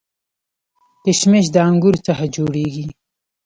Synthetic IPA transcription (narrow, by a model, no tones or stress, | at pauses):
t̪ɪʃmɪʃd̪əaŋɡuɾt͡saxad͡ʒoɽeɡi